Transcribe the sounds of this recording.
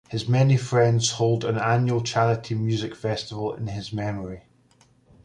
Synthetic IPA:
hɪzmɛnifɹɛ̃ndz̥holˠdə̃nãnjʉəlˠt͡ʃʰalˠɪʔʰimjʉːzɪkfɛstɪvəlˠɪ̰̃nɪzmɛməɹi

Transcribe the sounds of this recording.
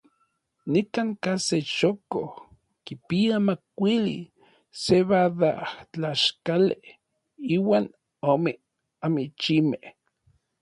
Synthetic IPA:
nikaŋkaseʃoko | kipiamakʷilḭ | seβaðat͡ɬaʃkale | iwaːn | ome | amit͡ʃimeh

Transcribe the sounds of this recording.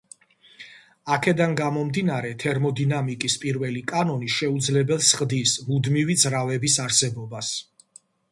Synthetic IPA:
akʰɛd̪anɡamɔmd̪inaɾɛt̪ʰɛɾmɔd̪inamikʼispʼiɾvɛlikʼanɔniʃɛud̪zlɛbɛlˠsχd̪ismud̪mivid̪zɾavɛbisaɾsɛbɔbas

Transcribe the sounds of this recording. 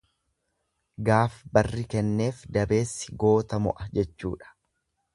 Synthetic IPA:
ɡaːfbɐrːɪkɛnːe̞ːfd̪ɐbe̞ːsːɪ̥ɡo̞ːt̪ɐmʊ̰ʔɐd͡ʒɛt͡ʃːṵːᶑɐ̥

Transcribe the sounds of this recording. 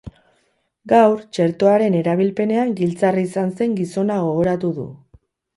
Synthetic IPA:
ɡawɾt͡ʃe̞ɾt̪o̞aɾe̞ne̞ɾaβ̞ilpe̞ne̞aŋɡilt͡sariːsanse̞ŋɡiso̞naɣo̞ɣ̞o̞ɾat̪uðṵ

